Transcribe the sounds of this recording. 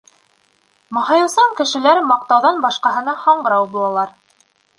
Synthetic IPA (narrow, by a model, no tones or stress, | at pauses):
mɑ̆ɦɑjɤ̆wsɑŋkɘ̆ʃɘ̆læɾmɑq̚t̪ɑwðɑnbɑʃqɑɦɤ̆nɑhɑɴɢɤ̆ɾɑwbulˠɑlˠɑɾ